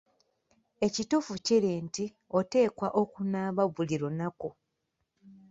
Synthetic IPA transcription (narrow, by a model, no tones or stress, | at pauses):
e̞citufuciɾinti | o̞te̞ːkwaʔokunaːβaβuliɾo̞nako